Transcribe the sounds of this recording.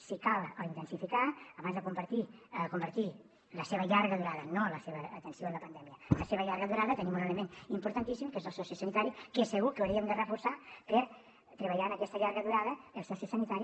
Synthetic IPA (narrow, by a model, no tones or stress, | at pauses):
sikalˠəint̪ənsifikaəβanzðəkumpəɾt̪iəkumbəɾt̪i | ləseβəʎaɾɣəðuɾaðənoləseβəːt̪ənsioəmləpənd̪ɛmiələseβ̞əʎaɾɣəðuɾaðət̪ənimuneləmenimpuɾt̪ant̪isimkezəlˠsɔsisənit̪aɾikesəɣukəwɾiəmd̪ərəfursapəɾ | t̪ɾəβ̞əʎaənəkɛst̪əʎaɾɣəðuɾaðəelˠsɛsisənit̪aɾi